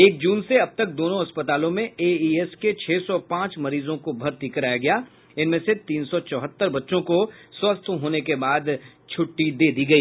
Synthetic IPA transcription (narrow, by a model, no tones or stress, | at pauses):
eːk̚d͡ʒuːnseɐb̚t̪ɐk̚d̪oːnõɦɐspət̪aːlõmẽeːiːɛsket͡ʃʰɛːsɔpãːt͡ʃmɐɾiːzõkobʱɐɾt̪ikəɾaːjaɡɐjaː | ɪnmẽset̪iːnsɔt͡ʃɔːɦət̪ːəɾbɐtːʃõkoswɐst̪ʰɦoːnekebaːd̪t͡ʃʰʊʈːid̪eːd̪iɡɐiː